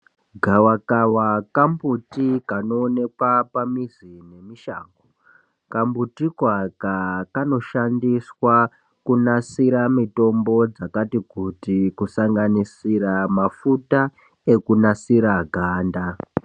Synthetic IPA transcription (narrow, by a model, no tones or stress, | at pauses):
ɡʱawakawakambutikano̞ːne̞kwapamizine̞miʃa̰ːŋɡo | kambutikwakakano̞ʃandiswa | kunasiɾamito̞mbo̞d͡zakatikutikusaŋɡanisiramafuta | e̞kunasiɾaɡʱaːnda